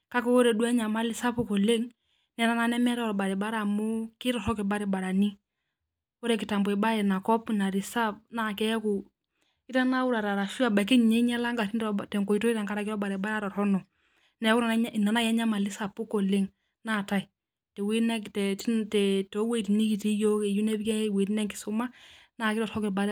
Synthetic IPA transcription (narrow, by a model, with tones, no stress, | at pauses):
ka˦kɔ˦o˦ɾɛ˨du˦ɛ˦ɲa˨ma˦lɪ˦sa˦pu˦kɔ˨le˦ŋ | nɛ˨˦na˦na˦nɛ˦mɛ˦ɾɔ˦ɾɔ˨ba˨ɾi˨ba˦ɾa˨mʊ˦kɪ˦ɾɔ˨ɾɔ˦kɪ˨ba˦ɾɪ˨ba˨ɾa˨ni˦ | o˦ɾɛ˨k̬ɪ˨ta˨mbɔ˨ɛ˨ba˦ɛ˨na˨kɔ˦pna˨ɾi˨sa˦p̚na˦˨kɛ˦jɛ˦ku˨ | ɪ˦ta˦na˦wu˦ɾa˨ɾa˨ɾa˨ʃu˦a˨ba˨k̬i˦˨ɲɛ˦ɲɛ˦la˦ŋɡa˨i˦ndtɛ˨ŋkɔ˨i˦tɔ˦i˦ta˨ŋka˦ɾa˨kɪɾɔ˦ba˨ɾɛ˨ba˦ɾa˦ɾɔ˨ɾɔ˦nɔ˨ | nɛ˨˦ku˦na˨˦i˨na˨na˦ja˦ɲa˦ma˨lɪ˦sa˨pu˦kɔ˨lɪ˦ŋ | na˦˨ta˨i˨ | tɛ˨wi˦nɛ˦ktɛ˨˦tɛ˨tɔ˨˦we˦˨ti˨ni˦ki˨ti˦jo˦kɛ˨ju˦nɛ˦bɛ˦˨we˨tnɛ˦ŋkɪ̥˨su˦ma˦ | naː˦˨kɪ˦ɾɔ˨ɾhɔ˦kɪ˨ba˦ɾ